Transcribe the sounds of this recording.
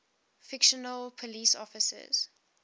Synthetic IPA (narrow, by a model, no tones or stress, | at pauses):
fɪkʃənəlpʰɔliːsɔ̰fɪsə̰z̥